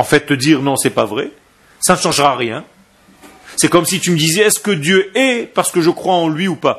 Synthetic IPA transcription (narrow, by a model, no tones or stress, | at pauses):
ɑ̃fɛt̪ːəd̪iːʁnɔ̃sɛpavʁɛ | sanəʃɑ̃ʒʁaʁjɛ̃ | sɛkɔmsit̪yməd̪izɛɛskəd̪jøɛpaʁsə̥kəʒəkχwaɑ̃lɥiupa